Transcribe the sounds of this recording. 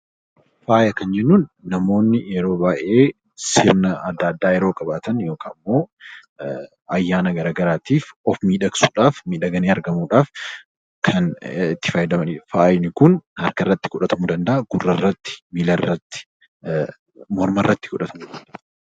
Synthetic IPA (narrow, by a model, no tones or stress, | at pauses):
faːjɐkɐnd͡ʒɛnːuːnːɐmo̞ːnːɪɛɾo̞ːbaːʔe̞ː | sɪɾnɐɐd̪ːaːd̪ːaːjɛɾoːkʼɐbaːt̪ɐnjo̞ːkʰaːmːo̞ː | ɐjːaːnɐɡɐɾaːɡɐɾaːt̪iːfɔfmiːᶑɐksu̥ːᶑaːfmiːᶑɐɡɐneːɐɾɡɐmuːᶑaːf | kʰɐnɪt̪ːɪ̥fɐjd̪ɐmɐnifaːjɪnɪkʊnhɐɾkɐrːɐt̪ːɪ̥kʊᶑɐt̪ɐmud̪ɐnd̪ɐʔɐɡ̥ʊrːɐrːɐt̪ːɪ̥miːlɐrːɐt̪ːɪ̥ | mɔɾmɐrːɐt̪ːɪ̥kʊᶑɐt̪ɐmud̪ɐnd̪ɐ